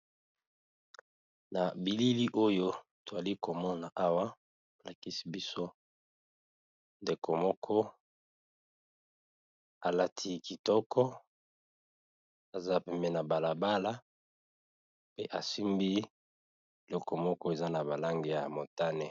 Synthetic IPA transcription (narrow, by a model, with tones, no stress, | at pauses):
na˨bi˨li˦li˦ʔo˦jo˦to˨za˨li˦ko˨mɔ˦na˨ʔa˦wa˦ | o˨la˨ki˦si˦bi˦so˦ | nde˨ko˨mɔ˦kʰɔ˦ | a˨la˦tʰi˦ki˨tɔ˦kʰɔ˦ | a˨za˦pɛ˦mbɛ˦na˨ba˨la˨ba˦la˦ | pe˦ʔa˨si˦mbi˦˨ | lɔ˦kɔ˨mɔ˦kɔ˦e˨za˦na˨ba˨la˦ŋɡe˨ja˨mo˨ta˦ne˨